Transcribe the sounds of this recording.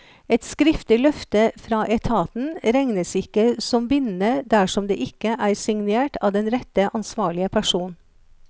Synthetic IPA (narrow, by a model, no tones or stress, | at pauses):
ɛt̪skɾɪft̪ɪlœft̪əfɾɑːʔɛt̪ʰɑːt̪n̩ɾɛŋnəsɪkːəsɔmbɪnnəd̪æʂɔmd̪ḛːʔɪkːəʔæːɾsɪŋneːʈʰɑ̰ːʋd̪ɛnɾɛt̪ːəʔɑnsʋɑːɭɪəpʰæʂuːn